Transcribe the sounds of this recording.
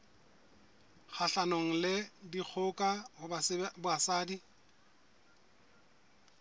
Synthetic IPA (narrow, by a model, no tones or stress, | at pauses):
k͡xʰaɬanɔŋ̩lɪdik͡xʰʊkʼahʊabʊasaːdi